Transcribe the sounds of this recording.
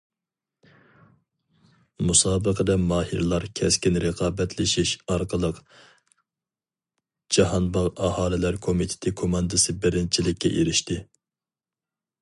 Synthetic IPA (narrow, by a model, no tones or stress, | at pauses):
musɑːbəqʰəd̪ɛmɑːhḭɾlˠɑɾkʲʰɛskʲinɾəqʰɑːbɛt̪ʰlɪʃiʃɑɾqəlˠəq | d͡ʒɑhɑnbɑʁɑhɑːlɪlæɾkʰomit̪ʰɪ̥t̪ʰɪkʰomɑnd̪ɨsɨbɪɾɪnt͡ʃʰilɪkʲːɛ̰ʔeɾɪʃt̪ɪ